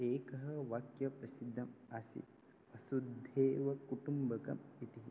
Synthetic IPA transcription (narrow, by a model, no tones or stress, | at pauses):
eːkɐɦɐʋɐkjɐpɾɐsid̪ʱːɐmɐsḭ | ɐsud̪ʱeːʋɐkuʈumbɐkɐ̰mit̪iɦi